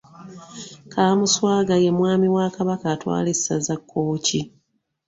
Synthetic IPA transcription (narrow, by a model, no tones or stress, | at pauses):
kʰaːmuswaːɡaje̞mwaːmiwakaβakatwa̰ːle̥sazakːo̞ːci